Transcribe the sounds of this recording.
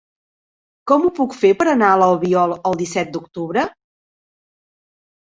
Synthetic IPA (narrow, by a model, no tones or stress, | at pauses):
kɔmupukfepəɾənaələlˠβiɔlˠəlˠd̪isɛt̪̚d̪ukt̪uβɾə